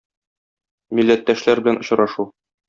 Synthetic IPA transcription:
milːæt̪ːæʃlæɾbɘ̆ænŏɕ̆ɾɑʃu

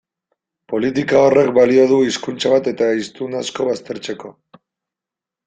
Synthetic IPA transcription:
po̞lit̪ikao̞re̞k̚balio̞ð̞uiskunt͡saβat̪e̞t̪aist̪unasko̞β̞ast̪e̞ɾt͡se̞ko̞

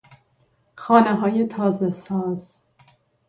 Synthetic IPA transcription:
xɒːneɦɒːje̞t̪ʰɒːzesɒːz̥

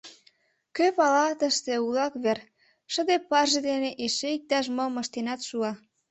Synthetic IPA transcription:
køpɑlɑt̪əʃt̪eulɑkβer | ʃə̆d̪epɑrʒed̪eneʔeʃeik̚t̪ɑʃ̬moməʃt̪enɑt̪ʃuɑ

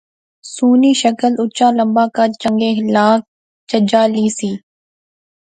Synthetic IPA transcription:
suːniːʃəkəlʊt͡ʃaːləmbaːkat͡ʃəŋɡeːɪlaːk̚ | t͡ʃəd͡ʒaːliːsiː

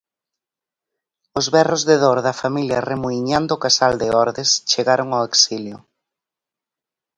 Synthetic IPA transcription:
ʊzβɛrozðeðoɾðɐfamiljɐremuiɲand̪ʊːkasald̪ɪɔɾðest͡ʃeɣaɾʊŋaeksiljʊ

